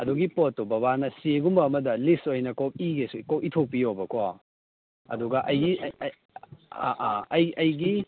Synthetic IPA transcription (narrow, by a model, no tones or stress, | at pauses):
ɐduɡipotːobɐβanɐseɡumbɐːmɐdɐlistojnɐkop̚iɡesukop̚itʰok̚pijobɐko | ɐ̰duɡɐʔɐjɡiʔ | ɐjɐjɡi